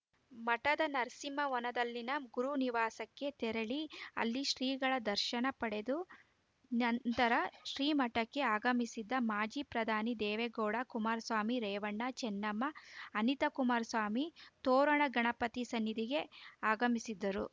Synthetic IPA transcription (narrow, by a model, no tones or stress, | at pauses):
mɐʈɐd̪ɐnɐɾsimɐʋɔnɐd̪ɐlːinɐɡuɾuniʋaːsɐkːe̞t̪ɛɾɐɭiɐ̰lːiʃɾiːɡɐɭɐd̪ɐɾʃɐnɐpɐɽe̞d̪u | nɐnt̪ɐɾɐʃɾiːmɐʈɐkːe̞aːɡɐmisid̪ːɐmaːd͡ʒiːpɾɐd̪ʱaːnid̪ɛːʋeɡɔːɽɐkumaːɾsʋaːmiɾɛːʋɐɳːɐt͡ʃɛnːɐmːɐːnit̪ɐkumaːɾsʋaːmit̪ɔːɾɐɳɐɡɐɳɐpɐt̪isɐnːid̪iɡeaːɡɐmisid̪ːɐɾu